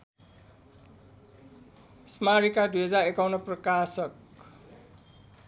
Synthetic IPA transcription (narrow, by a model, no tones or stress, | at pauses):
smaɾikad̪ujɦʌd͡zarekawnʌprʌkasʌk